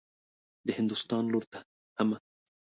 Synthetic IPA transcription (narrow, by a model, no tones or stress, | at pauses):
d̪əhɪnd̪ʊst̪ɑːnloɾt̪ḁ | hama